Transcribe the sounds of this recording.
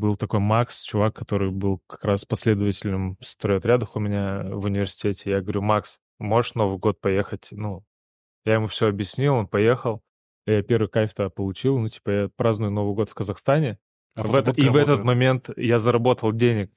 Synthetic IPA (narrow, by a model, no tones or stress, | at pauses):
bɨlˠt̪ɐko̞jmakst͡ɕʊvakːɐt̪o̞ɾɨjbɨlˠkɐ̥kɾaspɐsʲlʲe̞d̪əvətʲɪlʲɨmst̪ɾojɐt̪ɾʲad̪əxʊmʲɪnʲavʊnʲɪvʲɪrsʲɪ̥tʲetʲɪjaɡəvɐɾʲumaks | mo̞ʐɨʂno̞vɨjɡo̞t̪̚pɐjexətʲnu | jajɪmufsʲɵɐbjɪsʲnʲilˠo̞npɐje̞xəlˠ | japʲe̞ɾvɨjkafʲt̪əpəlˠʊt͡ɕilˠnutʲi̥pəjapɾaznʊjʊno̞vɨjɡo̞t̪fkəzɐxst̪anʲɪ | vɛt̪ivɛt̪ət̪mɐmʲe̞nt̪jazəɾɐbo̞t̪əlˠdʲenʲɪk̚